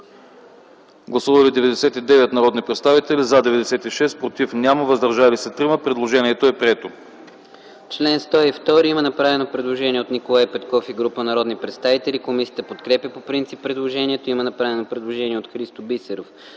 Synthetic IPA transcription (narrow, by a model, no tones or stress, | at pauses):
ɡlˠɐsuvɐlid̪ɛvɛd̪ɛsɛt̪id̪ɛvɛt̪nɐɾɔd̪nipɾɛt̪st̪avit̪ɛlizad̪ɛvɛd̪ɛsɛt̪iʃɛspɾot̪ifnʲaməvəzd̪ɐɾʒalisɐt̪ɾiməpɾɛd̪lˠoʒɛniɛt̪oɛpɾɛt̪o | t͡ʃlɛnst̪ɔift̪ɔɾiimɐnɐpɾavɛnopɾɛd̪lˠoʒɛniɛot̪nikolˠajpɛt̪kɔfiɡɾupənɐɾɔd̪nipɾɛt̪st̪avit̪ɛlikomisiət̪əpot̪kɾɛpʲəpopɾint̪sipːɾɛd̪lˠoʒɛniɛt̪oiimɐnɐpɾavɛnopɾɛd̪lˠoʒɛniɛot̪xɾist̪obisɛɾof